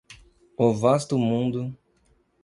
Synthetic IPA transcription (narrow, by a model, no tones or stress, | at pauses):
ovast̪ʊmũnd̪ʊ